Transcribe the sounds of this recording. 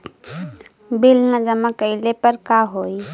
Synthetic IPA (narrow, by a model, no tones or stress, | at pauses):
bilnad͡ʒəmakəɪlepəɾkaɦoj